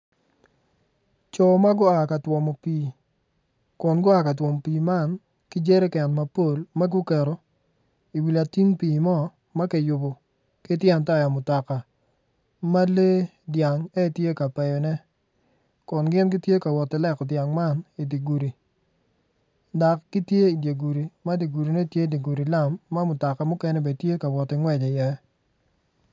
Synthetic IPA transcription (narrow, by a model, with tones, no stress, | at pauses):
t͡ʃɔ˨ma˦ɡʊ˦a˨ka˨twɔ˨mɔ˨piː˨ | kɔ˨nɡʊ˦a˨ka˨twɔ˨m˨piː˨ma˦˨n | kɪ˦d͡ʒe˦ɾe˦kɛ˨nma˨po˦˨lma˦ɡu˦kɛ˨ɾɔ˨ | i˨wi˨la˨ti˦ŋpiː˨mɔ˦ | ma˦kɛ˨jʊ˨bɔ˨ | kɪ˦tjɛ˦nta˦˨ja˨mʊ˨ta˨ka˨ | ma˦le˦ | dja˨ŋɛ˦˨tje˦ka˨pɛ˨jɔ˨nɛ˦ | kɔ˨nɡɪ˦nɡɪ˦tje˦ka˨wɔ˨tɪ˨lɛ˦˨kdja˨ŋma˦˨ni˨di˨ɡu˨ɾi˨ | da˨kːɪ˦tje˦i˨dje˨ɡu˨ɾi˨ma˦di˨ɡu˨ɾi˨nɛ˦tje˦di˨ɡu˨ɾi˨la˦˨mːa˦mʊ˨ta˨ka˨mʊ˦kɛ˦nɛ˦be˨tje˦ka˨wɔ˨tːɪ˨ŋwɛ˨d͡ʒɔ˨jɛ˨